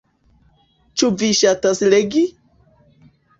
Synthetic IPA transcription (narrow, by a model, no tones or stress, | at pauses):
t͡ʃuviʃatasleɡi